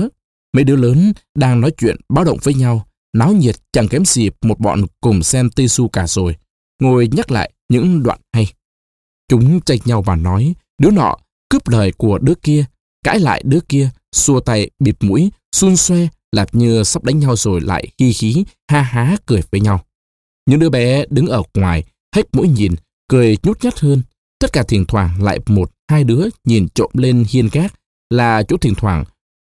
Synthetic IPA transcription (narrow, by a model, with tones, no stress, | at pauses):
mə˨˦jɗɨ˨˧˦ələː˨˦nɗaː˧ŋnɔ˨˦jt͡ɕwḭ˧˨ənɓaː˨˦wɗə̰˧˨wŋ͡mvəː˨˦jɲa˧w | na˨˦wɲi˨˩ət̚t͡ɕa˧˩ŋkɛ˨˦mzi˨˩p̚mo˨˩t̚ɓɔ̰˧˨nkʊ˨˩ŋ͡msɛ˧mt̪i˧su˧kaː˧˩z̥o˨˩j | ŋo˧˩jɲa˦˥t̚la̰ː˧˨jɲɨ̰˧˥ŋɗwa̰ː˧˨nha˧j | t͡ɕʊ˨˦ŋ͡mt͡ɕa˧jɲa˧wvaː˨˩nɔ˨˦j | ɗɨ˨˦ənɔ̰˧˨ | kɨ˦˥p̚ləː˨˩jku˧˩əɗɨ˨˦əki˧ə | ka̰ː˧˥jla̰ː˧˨jɗɨ˨˦əki˧ə | su˧˩ət̪a˧˩jɓi˨˩p̚mṵ˧˥jsu˧nswɛ˧ | laː˨˩p̚ɲɨ˧sa˦˥p̚ɗa˨˦ŋ̟ɲa˧wzo˨˩jla̰ː˧˨jxi˧xi˨˦ | haː˧ɦaː˨˦kɨ˨˩əjvəː˨˦jɲa˧w | ɲɨ̰˧ŋɗɨ˨˦əɓɛ˨˦ɗɨ˨˦ŋʔəː˧˩ŋwaː˨˩j | ha˦˥k̚mṵ˧˥jɲi˨˩n | kɨ˨˩əjɲu˦˥t̚ɲə˦˥t̚həː˧n | t̪ə˦˥t̚kaː˧˩t̪ʰi˨˩ənt̪ʰwaː˧˩ŋla̰ː˧˨jmo˨˩t̚haː˧jɗɨ˨˦əɲi˨˩nt͡ɕo̰˧˨mle˧nhi˧ənkaː˦˥k̚ | laː˨˩t͡ɕo̰˧˥t̪ʰï˨˩ŋ̟t̪ʰwaː˧˩ŋ